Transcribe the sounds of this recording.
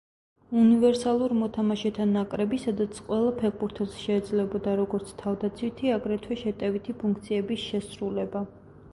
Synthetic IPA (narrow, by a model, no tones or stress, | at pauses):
univɛɾsalˠuɾmɔt̪ʰamaʃɛt̪ʰanakʼɾɛbisad̪at̪sʰqʼwɛlˠapʰɛɾbuɾt̪ʰɛlˠsʃɛːd̪zlɛbɔd̪aɾɔɡɔɾt̪sʰt̪ʰavd̪at̪sʰwit̪ʰiaɡɾɛt̪ʰwɛʃɛt̪ʼɛvit̪ʰipʰuŋk̚ʰt̪sʰiɛbisʃɛsɾulɛba